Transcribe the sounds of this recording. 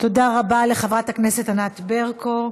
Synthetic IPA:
t̪o̞daʁabaleχavʁathaknese̞tanat̪beʁko

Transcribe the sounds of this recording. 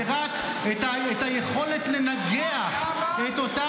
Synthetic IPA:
ʁak | t̪a | et̪ajeχolet̪lenaɡea | et̪ot̪a

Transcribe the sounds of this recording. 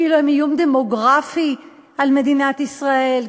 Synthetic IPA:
iluimijumd̪emoɡʁafi | alme̞d̪inat̪isʁael

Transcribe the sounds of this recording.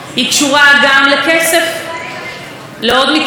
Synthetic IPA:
hikʃuʁaɡamlekesef | leod̪mik

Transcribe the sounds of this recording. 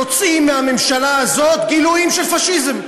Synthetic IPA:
ot͡simːeamemʃalaːzo̞t̪ɡiluimʃelfaʃizem

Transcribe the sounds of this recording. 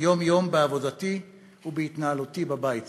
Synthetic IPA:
jo̞mjo̞mbeavo̞dati | ubeit̪naalutibabajit

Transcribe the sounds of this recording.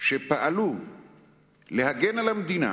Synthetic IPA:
ʃepaʔalu | lehaɡenalamd̪ina̰

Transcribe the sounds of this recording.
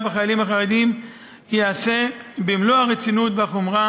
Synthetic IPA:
beχajalimhaχaʁed̪im | jease̞bimlohaʁet͡sinut̪veaχomʁa

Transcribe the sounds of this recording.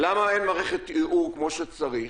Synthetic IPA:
lamaenmaːʁeχet̪iʔuʁkmo̞ʃet͡saʁiχ

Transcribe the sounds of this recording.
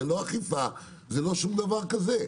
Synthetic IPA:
eloaχifa | zelo̞ʃumd̪avaʁkaze

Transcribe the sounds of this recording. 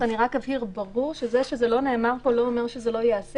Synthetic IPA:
aniʁakavhiʁbaʁuʁʃezeʃezelo̞neːmaʁpo̞lo̞ːmeʁʃezelo̞jeas

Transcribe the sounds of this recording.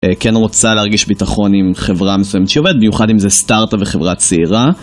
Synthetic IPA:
ekenʁo̞t͡saleaʁɡiʃbitaχo̞nimχe̞vʁamesujemetʃeovɛd̪̚bimjuχadimzestaʁt̪aveχevʁat͡seiʁa

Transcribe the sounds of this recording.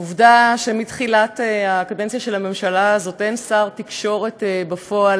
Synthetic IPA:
uvdaʃemitχilateakadent͡sjaʃelhame̞mʃalaːzo̞tensaʁtikʃo̞ʁe̞tbafo̞al

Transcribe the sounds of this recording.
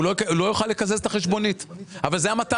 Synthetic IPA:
loulo̞juχalːekazeset̪aχe̞ʃbo̞nitavalzejamata

